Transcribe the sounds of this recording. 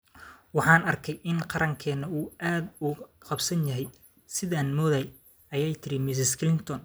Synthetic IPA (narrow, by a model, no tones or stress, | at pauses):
wɑħɑːnɐrkʰɛjʔɪnqɑɾʔɐŋkʰɛːnɐuːʔaːd̪ʊ | qɑbsɐnjɐɦɛj | sɪðaːnmɔːðɐj | ɐjɛjt̪ʰɪɾɪmɪs̬ɪskʰlɪnt̪ʰɔn